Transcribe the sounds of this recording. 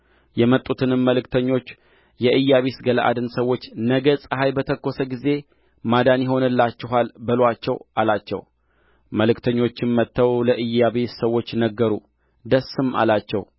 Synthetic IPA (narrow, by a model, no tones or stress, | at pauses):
jɛmət̪ʼut̪ʰɨnɨmːəlɨkt̪ʰəɲːo̞t͡ʃː | jɛʔɨjːaβesɡələʔa̰d̪ɨnsəwːo̞t͡ʃːnəɡəsʼɨɦajbət̪ʰəkːo̞səɡize̞ | mad̪anjɪɦo̞nɨlːat͡ʃːɛɦalbəlat͡ʃːɛwʔalat͡ʃːɛ̰w | məlɨkt̪ʰəɲːo̞t͡ʃːɪnmət̪ʰːəwləʔɨjaβesəwːo̞t͡ʃːnəɡːəɾu | d̪əsɨma̰lat͡ʃːɛw